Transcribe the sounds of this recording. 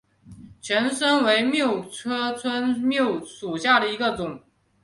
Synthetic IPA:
t͡ɕʰɥɛ˧˥nʂə˥nwe˧˥ɪmjo˥˩ʊʈ͡ʂʰɤ˥t͡sʰwə˥nmjo˥˩ʊʂu˨˩ɕja˥˩d̪ə˩i˧˥ɡə˧t͡sʊ˨˩˦ŋ

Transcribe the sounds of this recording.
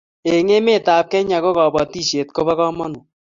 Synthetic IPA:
e˨ŋe˦me˦˨ta˨p̚kɛ˦ɲa˨ko˦kɔ˨bɔ˨ti˦˨ʃe˨t̚ko˦βa˦kɔ˦mɔ˦nu˨

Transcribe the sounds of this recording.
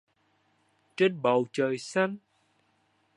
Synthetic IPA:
t͡ɕe˦˥nɓə˨˩wt͡ɕəː˨˩jsa˧jŋ

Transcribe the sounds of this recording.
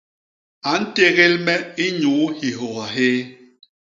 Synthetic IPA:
a˨n̩˦te˦ɣe˦lmɛ˦i˦ɲu˨˦hi˨ɦɔ˨ɣa˨ɦeː˦

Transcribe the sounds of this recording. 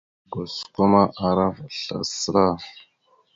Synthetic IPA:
ɡo˨sko˦ma˦ʔa˨ɾa˦va˨ɬa̰˨sə˦ɾa˦˨

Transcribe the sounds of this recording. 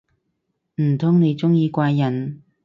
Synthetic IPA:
m̩˨˩t̪ʰʊ˥ŋne˨˧jt͡sʊ˥ŋjiː˧kʷaː˧jːɐ˨˩n

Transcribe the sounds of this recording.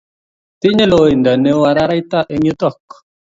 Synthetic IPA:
ti˦ɲe˦lo˨i˨nda˨ne˦wa˨ɾa˦ɾa˦i˦ta˦˨ʔe˦ɲu˦tɔ˦˨k

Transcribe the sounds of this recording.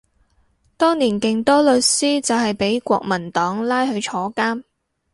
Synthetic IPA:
t̪ɔː˥ŋniː˨˩nkɪ˨ŋt̪ɔː˥lɵ˨˧tsiː˥t͡sɐ˨wɦɐ˨jpe˨˥jkʷɔ̰ː˧k̚mɐ˨˩nt̪ɔː˨˥ŋlaː˥jɦɵ˨˧ɥt͡ʃʰɔː˨˥kaː˥m

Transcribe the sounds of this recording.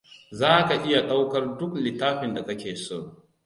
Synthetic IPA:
zaː˦ka˨ʔɪ˦ja˨ɗa˦wkɐ˦rdʊ˦klɪ˨taː˦ɸɪ˨nda˨kɐ˦kʲeː˨soː˦˨

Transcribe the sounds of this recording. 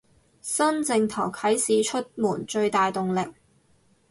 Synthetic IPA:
sɐ˥nt͡sɪ˧ŋt̪ʰɐ˨˩wkʰɐ˨˥jsiː˨˧t͡ʃʰɵ˥t̚muː˨˩nt͡ʃɵ˧ɥt̪aː˨jt̪ʊ˨ŋlɪ˨˩k̚

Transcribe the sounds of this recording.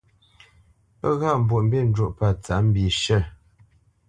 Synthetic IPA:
pə˦ɣa˦˨m̩˨bwu˨ʔm̩˦be˦˨n̩˦d͡ʒwu˦˨ʔpa˦˨t͡sa˨˦m̩˦bi˨ʃə˦˨

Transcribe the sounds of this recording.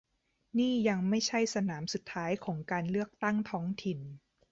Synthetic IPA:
niː˥˩ja˧ŋma˥˩jt͡ɕʰa˥˩jsa˧naː˩˦msu˨˩t̪ʰːaː˦˥jkʰɔː˩˦ŋkaː˧nlɯ˥˩ək̚t̪a˥˩ŋt̪ʰɔː˦˥ŋt̪ʰi˨˩n

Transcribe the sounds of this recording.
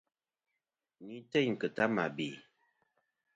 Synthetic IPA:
ni˨˦tɛ˦˨ɲŋ̩˨kə˨ta˦ma˨bi˨

